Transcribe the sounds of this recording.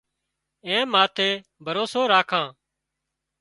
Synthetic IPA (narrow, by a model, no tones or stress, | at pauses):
ẽːmaːt̪ʰeː | bʱəɾoːsoːɾaːkʰãː